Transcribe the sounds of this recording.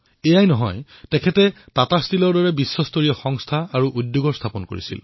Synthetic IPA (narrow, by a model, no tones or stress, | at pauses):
ejajnɔɦɔj | tɛkʰɛtɛ | tatastʰilɔɹdɔɹɛbisːɔstoɹijɔxɔŋstʰaaɹuʔudjoɡɔɹstʰapɔnko̰ɹḭsḭl